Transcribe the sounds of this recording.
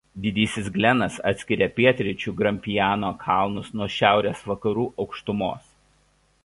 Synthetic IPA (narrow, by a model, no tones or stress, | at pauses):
d̪ʲɪd̪ʲiːsʲɪsɡlʲɛnɐsɑ̰t̪sʲkʲɪɾʲepʲiɛt̪ʲɾʲɪt͡ʃʲuːɡɾɐmʲpʲɪjæːnoːkʰɑˑlˠnʊsnuɔʃʲæˑʊɾʲeːsʋɐkɐɾuːʔɒʊkʃt̪ʊmo̰ːs